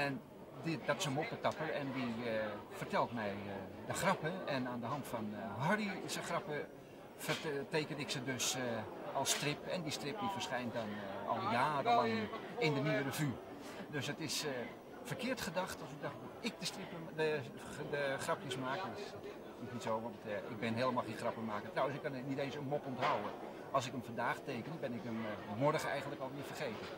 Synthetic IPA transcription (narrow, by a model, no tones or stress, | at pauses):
ɛn | dɪdɔtɪ̥səmop̚tətɑpərɛndifərtɛlˠtmɛjdəxrɑpəɛnaːndəɦɑntfɔnɦɔrisəxrɑpə | fəteːkənɪksədøs | ɔlˠstrɪpɛ̰ndistrɪp̚difərsχɛjntdɔnɔ̰lˠjaːrəɔlˠɪndənyːəɾəfy | døsətɪs | fərkɪːɹtχədɑxtɑlˠsɪɡ̚dax | ɪk̚dəstrɪpəə | dəχrɑpjəsmaːkəs | ɪsnitsoːʋɑntɪɡ̚bɪnɦeːlˠəmalˠxẽːnxrɑpəmaːkətrawənsɪkːɑnnitẽːnsənmɔpɔntɦawə | ɑlˠs̬ɪkəmfɑndaːχteːkənəbɪnɪkəmmɔrɣəɛ̰jɣəntləkɑlˠʋɪəfərχeːtə